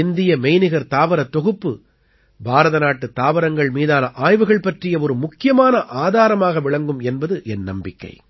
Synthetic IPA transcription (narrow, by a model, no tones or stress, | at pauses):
ɪnd̪ɪjɐmɛɪnɪɣɐɾt̪aːʋɐɾɐt̪ːɔɣɯpːɯ | bʱaːɾɐðɐnaːʈːɯt̪aːʋɐɾɐŋɡɐɭmiːðaːnɐʔaːjʋɯɣɐɭpɐʈrɪjɐɔɾɯmʊkːɪjɐmaːnɐʔaːðaːɾɐmaːɣɐʋɪɭɐŋɡɯmɛnbɐðɯʔɛnːɐ̰mbɪkːɐ̰ɪ